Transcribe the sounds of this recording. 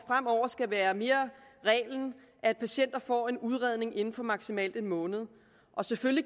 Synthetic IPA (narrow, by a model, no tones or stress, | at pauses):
fʁam̰ɒʊ̰ɐsɡ̥æʋæːɐme̝ːɐʁɛ̰ːln̩ | ʔæd̥̚pʰæɕen̰d̥ɐfɒ̰ːe̝nuð̞ˠʁɛð̞ˠne̝ŋe̝nn̩fɒ̽mɑ̈ɡ̥simɛ̰ːld̥enmɔ̽ːnð̞̩ˠ | ʔɒ̽sefølji